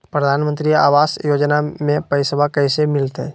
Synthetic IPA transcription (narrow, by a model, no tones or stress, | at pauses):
pɾəd̪ʱaːnmə̃nt̪ɾia̰ːʋaːsjoːd͡ʒnamẽpəɪsəbʱakəɪsemɪlt̪ɦɛ